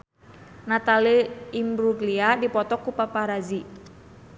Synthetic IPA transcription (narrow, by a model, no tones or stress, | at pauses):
nat̪aliimbɾuɡliadipɔt̪ɔkupapaɾazi